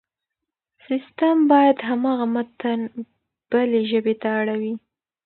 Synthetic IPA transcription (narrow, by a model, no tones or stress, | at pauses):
sɪst̪əmbɑjad̪ɦamɑɣamat̪an | b̥əleʒəbet̪aːɽawi